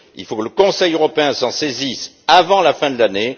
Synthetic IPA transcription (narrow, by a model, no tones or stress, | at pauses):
ḭlfokələkɔ̃sɛjøʁɔpeɛ̃sɑ̃sezis | avɑ̃lafɛ̃d̪əlane